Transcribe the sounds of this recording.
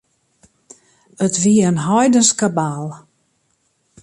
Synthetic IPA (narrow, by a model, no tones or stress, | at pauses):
ətʋiəənɦɔjdənskabaːlˠ